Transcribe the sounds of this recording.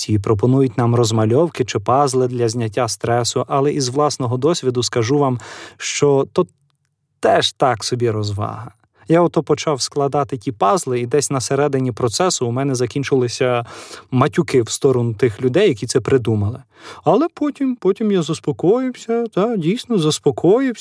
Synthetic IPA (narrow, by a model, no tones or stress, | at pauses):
iipɾɔpɔnujʊt̚ʲnɑmrɔzmɐlʲɔwkɪt͡ʃɪpɑzlˠɪd̪lʲɐzʲnʲɐtʲːast̪ɾɛsʊʔɐlˠɛʔizʋlˠɑsnɔɦɔd̪ɔsʲʋʲid̪ʊskɐʒuʋɑmʃt͡ʃɔt̪ɔt̪ | t̪ɛʃt̪ɑksɔbʲiɾɔzʋɑ̰ɦɐ | jaɔt̪ɔpɔt͡ʃɑwsklˠɐd̪ɑt̪ɪtʲipɑzlˠɪid̪ɛsʲnɐseɾɛd̪ɪnʲipɾɔt̪sɛsʊːmɛnɛzɐkʲinʲt͡ʃɪlˠɪsʲɐmɐtʲʊkɪwst̪ɔɾɔnʊt̪ɪxlʲʊd̪ɛjːɐkʲit̪ɛpɾɪd̪umɐlˠɪ | ɐlˠɛpɔtʲimpɔtʲimjazʊspɔkɔjɪwsʲɐt̪ɐdʲijsnɔzʊspɔkɔjɪw